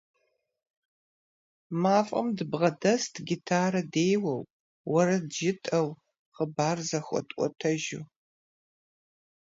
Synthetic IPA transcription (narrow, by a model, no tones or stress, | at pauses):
maːfʼɐ̰mdɨbʁɐdɐstʰɡʲitʰaːɾɐdeːjwɐw | wɐɾɐdʒɪtʼɐw | qəbaːrzɐxʷʼɔ̰tʼʷɔ̰tʰɐʒu